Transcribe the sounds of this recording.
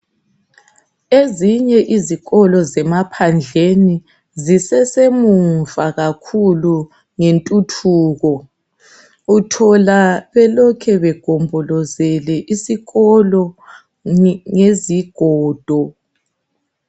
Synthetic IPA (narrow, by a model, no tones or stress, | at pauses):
eziɲɛʔiziɣɔlɔzɛmapʰand͡ɮʱeni | zisɛsemuɱɱvaɣakʰulu | ŋentʼutʰuːɣɔ | utʰɔlaβɛlɔkʰɛβɛɡ̥ʱombʱɔlɔzɛlɛʔisiɣɔlɔ | ŋeziɡ̥ʱɔːd̥ʱɔ